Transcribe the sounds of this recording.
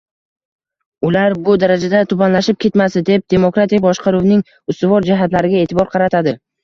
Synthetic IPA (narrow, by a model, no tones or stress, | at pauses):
ʊlaɾbʊd̪aɾad͡ʒad̪at̪ʰʊbanlaʃɪp̚kʲʰe̞t̪masɪd̪e̞p̚d̪e̞mokɾat̪ik̚ʲbɒʃqʰɑɾuwnɪŋ | ʊst̪ʊvɒɾd͡ʒaɦat̪laɾɪɡʲae̞ːt̪ʰɪbɒɾqʰɑɾat̪ʰad̪ɪ